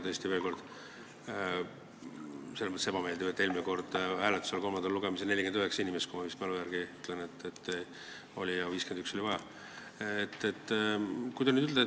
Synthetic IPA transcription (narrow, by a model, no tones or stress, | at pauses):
t̪ɤːsʲt̪ive̞ːlko̞rd̪̥ | selːmət̪sebɑme̞ːld̪ibet̪ːˑe̞lmineko̞rd̪̥hæːlet̪ːˑu̥selko̞mɑnd̪ɑlluɡemisene̞lʲːiked̪yɦeksɑinimest̪̚kumɑvist̪mɑlujæɾɡ̥iyt̪ːˑlenet̪ːet̪ː | olʲijɑviːskend̪ykso̞lʲivɑjɑ | et̪ːet̪ːˑkujd̪ɑnyːyld̪e